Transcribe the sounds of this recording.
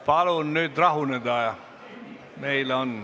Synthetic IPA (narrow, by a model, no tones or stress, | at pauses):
pɑlunnyt̪rɑhuned̪ɑːjɑ | meilon